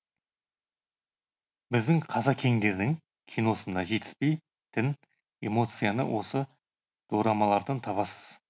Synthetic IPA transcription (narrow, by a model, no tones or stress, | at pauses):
bɪzd̪ɪŋqʰɑzɑkʲʰe̞ŋd̪e̞ɾd̪ɪŋ | kʲʰijno̞sənɑʒe̞t̪ɪ̥spe̞j | t̪ʰɪn | e̞̰mo̞t̪sɨjanə̰wʔo̞sə | d̪̥oɾɑmɑlˠɑɾd̪ənt̪ʰɑβɑsəz̥